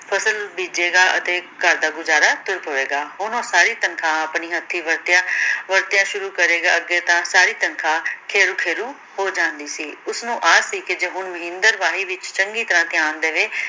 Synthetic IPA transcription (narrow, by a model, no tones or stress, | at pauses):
pʰəsəlbiːd͡ʒeːɡaːʔə̰t̪eːkəɾd̪aːɡʊzaːɾaːt̪ʊɾpoːeːɡaːɦoːnõːsaːɾiːt̪ənkʰãːaːpniːɦət̪ʰːiːʋəɾt̪jãːʋəɾt̪ɪjãːʃʊɾuːkəɾeːɡaːəɡeːt̪ãːsaːɾiːt̪ənkʰãːkʰeːɾũːkʰeːɾũː | hoːd͡ʒãːnd̪iːsiːʊsnũːʔaːsiːkɪd͡ʒeːɦʊɳməɦɪ̃nd̪əɾʋaːɦiːʋɪt͡ʃt͡ʃəŋɡiːt̪əɾãːt̪ɪjaːnd̪eːʋeː